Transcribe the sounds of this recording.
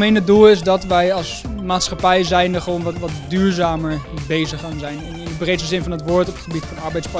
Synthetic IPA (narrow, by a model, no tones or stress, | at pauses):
mejnədulˠɪsdɑtʋɛjɑlˠsmaːtsχɑpɛjzɛjndəχəʋownʋtʋɑtdyːɹzaːməɹbejzəχanzɛjnnɪnəbrejtəzɪnfɑnɦətʋʊːɹtɔpətχəbitfɑnɑɹbɛjtspɑ